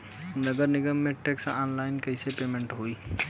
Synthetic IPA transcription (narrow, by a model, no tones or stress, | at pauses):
nəɡəɾnɪɡəmːẽʈeːksaːnlaːɪnkəɪsepeːmẽɳʈɦoːiː